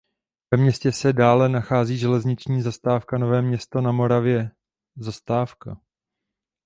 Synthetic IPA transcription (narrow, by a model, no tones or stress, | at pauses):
vɛmɲɛscɛsɛdaːlɛnaxaːziːʒɛlɛzɲɪt͡ʃɲiːzast̪aːfkano̞vɛːmɲɛst̪o̞namo̞ɾavjɛ | zast̪aːfka̰